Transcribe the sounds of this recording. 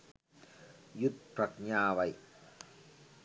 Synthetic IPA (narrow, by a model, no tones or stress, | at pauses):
jut̪̚pʰɾak̚ɲaːwaj